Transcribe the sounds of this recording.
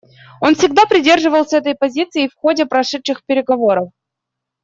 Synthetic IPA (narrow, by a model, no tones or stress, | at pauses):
o̞nfsʲɪɡd̪apɾʲɪdʲe̞rʐɨvəlˠsʲəɛt̪əjpɐzʲit̪sɨjɪfxodʲɪpɾɐʂɛt̪ʂɨxpʲɪɾʲɪɡɐvo̞ɾəf